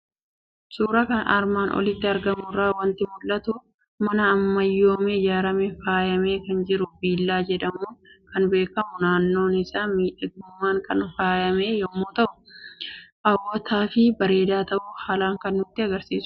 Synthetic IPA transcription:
suːɾɐkɐna̰ːɾmaːnʔɔ̰lɪt̪ːɪɐɾɡɐmʊraːwɐnt̪ɪmʊlːɐt̪ʊ | mɐnɐːmːɐjːoːmɛɪd͡ʒaːɾɐmɛfaːjɐme̞ːkɐnd͡ʒɪɾʊbiːlːaːd͡ʒɛᶑɐmoːkɐnbe̞ːkɐmʊnaːnːo̞ːnɪsaːmiːᶑɐɡʊmːaːŋkɐnfaːjɐme̞ːjɔmːoːt̪ɐʔʊ̥ | ʔɐwːɔt̪aːfɪbɐɾe̞ːd̪aːt̪ɐʔʊhaːlaːŋkɐnːʊt̪ːɪɐɡɐɾsiːsʊ̥

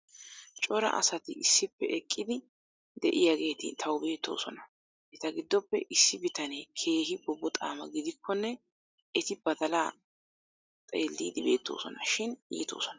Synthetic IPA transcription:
t͡ʃʼɔɾɐ̰ʔɐ̰sɐt̪ɪɪsːɪpːɛʔɛkʼːɪd̪ɪ | d̪ɛʔɪjaɡe̞ːt̪ɪ̰t̪ʰɐwʊbe̞ːt̪ːo̞̰ːsɔnɐ | ɛt̪ɐɡɪd̪ːɔpːɛʔɪsːɪbɪt̪ɐneːkʰe̞ːɦɪbɔbːɔt̪ʼa̰ːmɐɡɪd̪ɪkʰːɔnːɛ | ɛt̪ɪbɐd̪ɐlaː | t̪ʼeːlːiːd̪ɪbe̞ːt̪ːo̞̰ːsɔnɐʃɪnḭːt̪o̞̰ːsɔnɐ

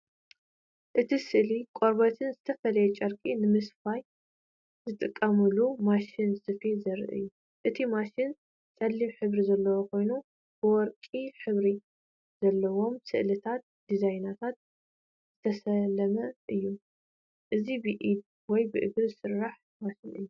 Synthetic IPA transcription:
ʔɨt̪ʰisɨʔlikʼoɾbɐt̪ʰɨnzɨt̪ʰɐfɐlɐjɛt͡ʃʼɐɾkʼinɨmɨsfaj | zɨt̪ʼɨkʼːɐmɨlumaʃinsɨfizɐɾ̰ʔɨ̰jːu | ʔɨt̪ʰimaʃin | sʼɐlːimħɨβɾizɐlːɐwokʰo̞jnu | b̥ɨwɔɾkʼiħɨβɾi | z̥ɐlːɐwo̞msɨ̰ʔlɨt̪ʰat̪̚d̪̥izajnat̪ʰat̪̚ | z̥ɨt̪ʰɐsɐlɐmɐʔɨjːu | ʔɨzibɨʔid̪̚ | wɔjbɨʔɨɡlsɨɾːaħ | maʃinɨ̰jːu

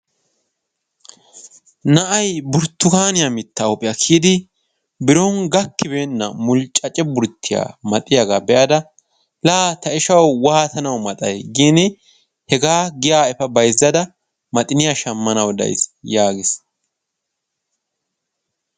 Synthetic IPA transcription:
nɐʔɐjbʊɾt̪ːʊkaːnɪjɐmɪt̪ːaɔpʼɪjɐkʰiːd̪ɪ | bɪɾɔŋɡɐkːɪbeːnːɐ̰mʊlt͡ʃʼɐt͡ʃʼɛbʊɾt̪ʰːɪja̰ːmɐt̪ʼːɪjaɡabɛʔɐd̪ɐ | laːt̪ɐɪʃɐwwaːt̪ɐnɐwmɐt̪ʼɐjɡiːnɪ | hɛɡaːɡɪjaːɛfɐbɐjzːɐd̪ɐ | mɐt̪ʼɪnɪjaʃɐmːɐnɐwd̪ɐ̰jsjaːɡɪs

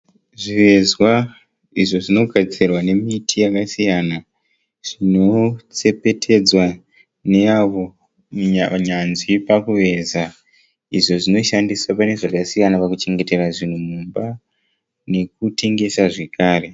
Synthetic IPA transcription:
ʐiʋe̞zwa | iʐo̞ʐino̞ɡʱad͡zirwane̞mitʰijakasijana | ʐ̥ino̞t͡se̞pe̞tʰe̞d͡zwa | ne̞aʋo | ɲanzipakuʋe̞za | iʐo̞ʐino̞ʃandisapane̞ʐakasijanapakut͡ʃe̞ŋɡe̞te̞raʐin̤umumba | ne̞k̚ute̞ŋɡe̞saʐe̞kaːre̞

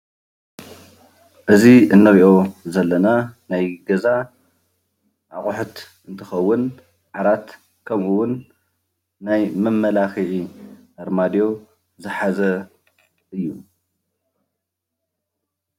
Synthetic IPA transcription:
ʔɨziɨnːɐɾiʔo̞zɐlːɐnanajɡɐza | ʔaχʼʊħʊt̪ʔɨnt̪ʰɨxɐwːʊn | ħaɾat̪ | kʰɐmʔuwʊnː | ajmɨmːɐlaxiʕi | ɐɾmad̪jo̞ | zɨħazɐ | ɨjːu

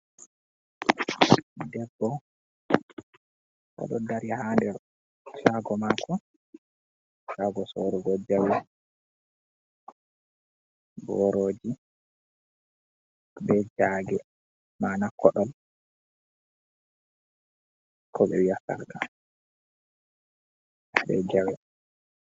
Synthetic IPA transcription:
dɛbːɔ | ʔɔ̰ɗɔndaɾihandɛɾ | ʃaɡɔmakʰɔ | ʃaɡɔsoɾuɡɔd͡ʒːawi | bɔɾoːd͡ʒi | bɛd͡ʒaɡɛ | manakʰːɔɗɔl | kʰɔɓɛ̰wiasa̰ɾɡa | bɛd͡ʒawɛ

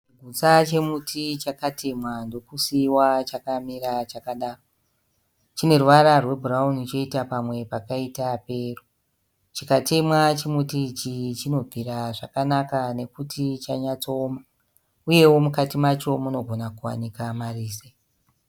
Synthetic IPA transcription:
t͡ʃiɡʱut͡sat͡ʃe̞mutʰit͡ʃakate̞mwando̞kusiwat͡ʃakamiɾat͡ʃakaɗaːro | t͡ʃine̞ruʋaɾarwe̞bʱuɾaunit͡ʃo̞itapamwe̞pakaitape̞ːro | t͡ʃikate̞mwat͡ʃemutiːt͡ʃit͡ʃino̞b͡vʱiɾaʐakanakane̞kutʰit͡ʃaɲat͡so̞ːma | uje̞wo̞mukatimat͡ʃo̞muno̞ɡʱo̞nakuwa̰nikamariːse

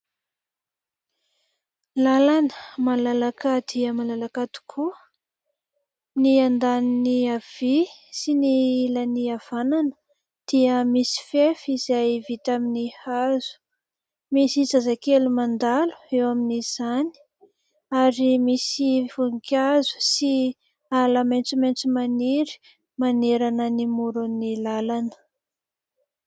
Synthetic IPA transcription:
lalanəmalalakad̪iəmalalakat̪i̥kʰu | niand̪aniniav̥isinilaniav̥ananə̥ | d̪̥iəmisi̥fefizajvit̪aminihazu̥ | misizazakelumand̪alu̥ewaminiz̥ani̥ | aɾimisivuŋkazu̥si | alament͡simejnt͡simaniɾi̥ | maneɾanənimuɾunilalanə̥

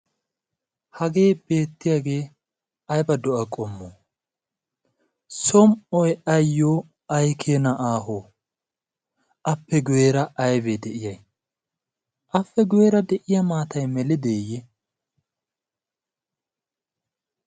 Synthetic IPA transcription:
hɐɡe̞ːbe̞ːt̪ːɪjaːɡe̞ː | ɐjbɐd̪ɔʔɐkʼɔmːoː | sɔmɔjɐjːoː | ɐjkʰeːnɐʔaːɦoː | ʔɐpːɛɡweːɾɐɐjbed̪ɛʔɪjɐj | ʔɐfːɛɡweːɾɐd̪ɛʔɪjɐmaːt̪ɐjmɛlɪd̪eːjːɛ

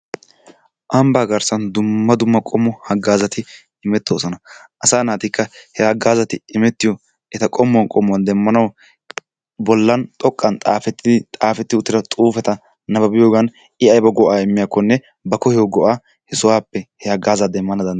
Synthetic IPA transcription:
ʔɐmbaːɡɐɾsɐnd̪ʊmːɐd̪ʊmːɐkʼɔmːɔhɐɡːaːzɐt̪ɪ | ɪmɛt̪ːoːsɔnɐʔɐsaːnaːt̪ɪkːɐhɛhɐɡaːzɐt̪ɪɪmɛt̪ːɪjɔ | ɛt̪ɐkʼɔmːɔnkʼɔmːʊwɐnd̪ɛmːɐnɐw | bɔlːɐnt̪ʼɔkʼːɐnt̪ʼaːfɛt̪ːɪt̪ʼaːfɛt̪ːɪʊt̪ːɪɾɐt̪ʼuːfɛt̪ɐ | nɐbɐbɪjoːɡɐn | ɪɐjbɐɡɔʔaːɪmːɪjaːkːɔnːɛ | bɐkɔhɛɔɡɔʔaː | hɛsʊwaːpːɛhɛhɐɡaːzɐd̪ɛmːɐnɐd̪ɐn

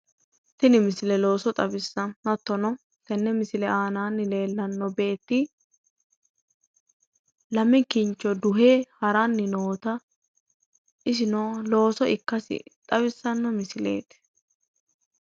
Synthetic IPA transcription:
t̪ɪnɪmɪsɪlɛlo̞ːsɔt̪ʼɐbɪsːɐnːɐt̪ːɔnɔ | t̪ɛnːɛmɪsɪlɛʔaːnaːnːɪle̞ːlːɐnːɔbe̞ːt̪ːi | lɐmɪkɪnt͡ʃːɔd̪ʊɦeːhɐɾanːɪnoːt̪ɐ | ʔɪs̬ɪnoːlo̞ːsɔʔɪkːɐsɪ̰t̪ʼɐβɪsːɐnːɔmɪsɪlḛːt̪

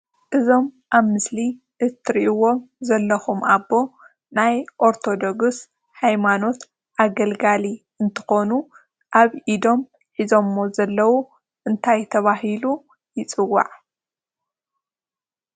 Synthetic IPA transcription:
ʔɨzo̞mʔaβmɨsliʔɨt̪ʰɨɾiʔiwo̞mzɐlːɐxumʔabːo̞ | najʔo̞ɾt̪ʰo̞d̪o̞ɡs | hajmano̞t̪ | ʔaɡɐlɡali | ɨnt̪ʰɨ̥xo̞nu | ʔaβʔid̪o̞m | ħizo̞mːozɐlːɐwu | ʔɨnt̪ʰajt̪ʰɐβaɦilu | jɪt͡sʼɨwːa̰ʕ

